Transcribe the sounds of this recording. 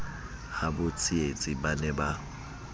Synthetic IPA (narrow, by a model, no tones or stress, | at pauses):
habʊt͡sʼiet͡sʼɪbanɛba